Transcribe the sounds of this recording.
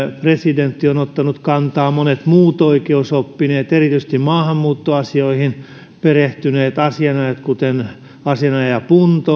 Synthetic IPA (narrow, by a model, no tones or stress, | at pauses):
president̪ːionot̪ːɑnut̪kɑnt̪ɑːmonet̪muːt̪oikeusopːineːt̪erit̪yst̪immɑːhɑmːuːt̪ːoɑsioihin | pereht̪yneːt̪ɑsiɑnɑjɑt̪kut̪en | ɑsiɑnɑjɑpunt̪o